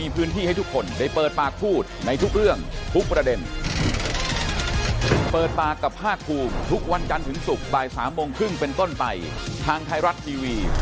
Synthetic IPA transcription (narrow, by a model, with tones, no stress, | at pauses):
iː˧pʰɯː˦˥nt̪ʰiː˥˩ha˥˩jt̪ʰu˦˥kʰːo˧nda˥˩jpɤː˨˩t̪̚paː˨˩k̚pʰuː˥˩t̪̚na˧jt̪ʰu˦˥k̚ɾɯ˥˩əŋt̪ʰu˦˥k̚pɾa˧de˧n | pɤː˨˩t̪̚paː˨˩kːa˨˩p̚ʰaː˥˩k̚ʰuː˧mt̪ʰu˦˥k̚wa˧nt͡ɕa˧nt̪ʰɯ˩˦ŋsu˨˩k̚baː˨˩jsaː˩˦mːoː˧ŋkʰɾɯ˥˩ŋpe˧nt̪o˥˩npa˧jt̪ʰaː˧ŋt̪ʰaː˧jɾa˦˥t̪ʰːiː˧wiː˧